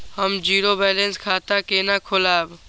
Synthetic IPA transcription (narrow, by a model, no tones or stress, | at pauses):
həmd͡ʒiːɾoːbɛːlẽnskʰaːt̪akeːnaːkʰolaːb